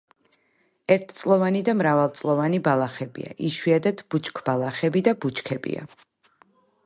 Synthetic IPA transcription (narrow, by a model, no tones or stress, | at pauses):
ɛɾt̪ʰt̪sʼlˠɔvanid̪amɾavalˠt̪sʼlˠɔvanibalˠaχɛbḭa̰ʔiʃwiad̪at̪ʰb̥ut͡ʃkʰb̥alˠaχɛbid̪abut͡ʃʰkʰɛbḭa̰